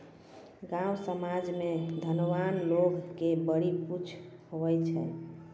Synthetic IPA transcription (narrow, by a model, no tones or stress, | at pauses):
ɡãwsəmad͡ʒmed̪ʱənʋanloɡkebəɽiput͡ʃʰhoʋɛt͡ʃʰɛ̰